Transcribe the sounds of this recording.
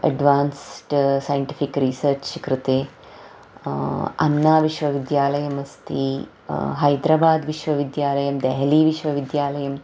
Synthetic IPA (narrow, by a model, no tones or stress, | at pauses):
ɐ̰ɖʋaːnsʈsɐjɳʈifikɾiːsɐɾt͡ʃʃikɾɨt̪eː | ɐ̰nːaːʋiʃʋɐʋid̪jaːlɐjɐmɐst̪ʰḭ | ɦɐjd̪ɾabaːd̪ʋiʃʋɐʋid̪jaːlɐjɐmd̪ɛɦɐliːʋiʃʋɐʋid̪jaːlɐjɐm